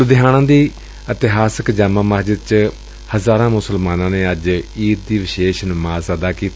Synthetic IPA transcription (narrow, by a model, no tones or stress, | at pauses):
d̪ɪɦaːñãːd̪iː | ət̪ɪɦaːsəkd͡ʒaːmãːməɦd͡ʒəd̪̚t͡ʃ | həzaːɾãːmʊsəlmaːnãːneːəd͡ʒiːt̪̚d̪iːʋɪʃeːʃnəmaːzaːd̪aːkiːt̪ː